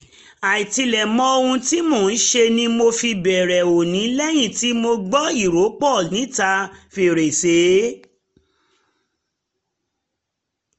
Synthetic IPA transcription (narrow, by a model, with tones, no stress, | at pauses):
a˨i˨ti˧lɛ˨mɔ̃˦o˧ũ˧ti˦mo˦˨n̩˦ʃe˧nĩ˧mo˧fi˧bɛ˨ɾɛ˨o˨nĩ˨˦lɛ˦j̃ĩ˦˨ti˦mo˧ɡ͡bɔ˦i˦˨ɾo˨˦k͡pɔ˦˨lnĩ˨˦ta˧fe˧˨ɾe˨se˨˦